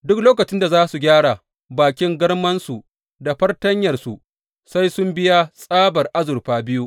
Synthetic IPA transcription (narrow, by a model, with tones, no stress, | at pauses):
dʊ˦kloː˦kɐ˨t͡ʃɪ˦nda˨zaː˦su˨ɡʲaː˦ɽa˨ | baː˨kʲɪ˦ŋɡɐ˦rmɐ˦nsu˨ | da˨ɸɐ˦rtɐ˦ɲjɐ˨rsu˨ʔ | sa˦jsʊ˦mbɪ˦ja˦sʼaː˦bɐ˨rʔa˦zʊ˨rɸaː˦bɪ˦ju˦ʔ